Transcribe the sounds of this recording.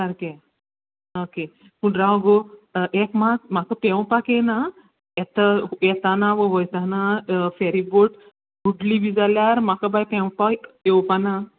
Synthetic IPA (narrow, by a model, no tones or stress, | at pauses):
sɐɾke | oke | puɳɾaɡoʔekmakmakəpewpakena | et̪əet̪anaʋoʋəjt̪anafeɾiboʈ | buɖlibid͡zaljaɾmakəbajpewpaewpana